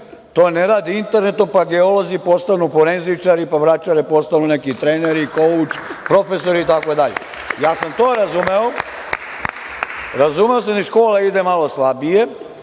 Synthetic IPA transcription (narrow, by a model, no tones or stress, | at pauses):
t̪oːneɾaːd̪iint̪eɾnet̪ompaɡeolo̞zipo̞st̪anufoɾenzit͡ʃaɾipaʋɾat͡ʃaɾɛpo̞st̪anunekit̪ɾeːneɾikout͡ʃpɾo̞fesoɾiːt̪akod̪aʎḛ | jaːsamt̪oːɾazumeo | ɾazumeos̬ad̪iʃkoːlaid̪emalo̞slˠabije̞